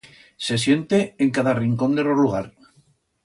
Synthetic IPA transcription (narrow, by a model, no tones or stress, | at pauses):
se̞s̬je̞nt̪eːŋkaðariŋko̞nd̪eroɾluɣ̞aɾ